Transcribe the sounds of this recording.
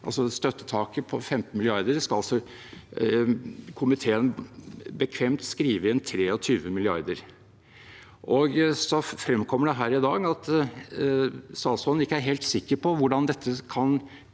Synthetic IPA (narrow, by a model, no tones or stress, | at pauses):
ʔɑlsɔst̪œt̪ːə̥t̪ʰɑːkəpʰɔfɛmt̪n̩mɪlɪɑɾd̪əɾskɑɑlsɔ | kʰʊmɪt̪ʰeːənbəkʰʋɛmt̪skɾiːʋəɛnt̪ʰɾeːɔt̪ʰyːʋəmɪlɪɑ̰ɾd̪əɾ | ʔɔɡsɔfɾɛmːkʰɔmːəɖɛɦæːɾɪd̪ɑːɡɑt̪ | sɑːsɔln̩ɪkːəæɾɦeːlt̪sɪkːəɾpʰɔʋʊɖɑnd̪ɛt̪ʰːəkʰɑn